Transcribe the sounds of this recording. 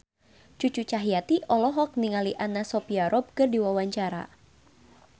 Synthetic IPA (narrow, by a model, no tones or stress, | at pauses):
t͡ʃut͡ʃut͡ʃaɦijat̪iʔɔlɔɦɔk̚niŋaliʔanasɔpiaɾɔb̚kɨrdiwawaɲt͡ʃaɾa̰